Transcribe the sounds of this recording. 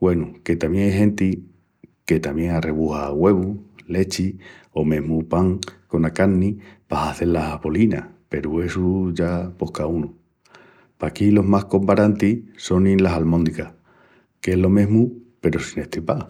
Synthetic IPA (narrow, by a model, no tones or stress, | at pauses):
ɡwe̞nuke̞t̪amjeŋeɦe̞nt̪i | ke̞t̪amje̞ŋare̞βuhaɣwe̞βule̞t͡ʃio̞mẽ̞ɦmupaŋko̞nakaɾnipaɦaθe̞laβo̞linape̞ɾue̞suʝapo̞hkaunu | pakilo̞ɦmahko̞mbaɾant̪iso̞ninlasalmõnd̪ikah | keeɦlo̞mẽ̞ɦmupe̞ɾosine̞ht̪ɾipa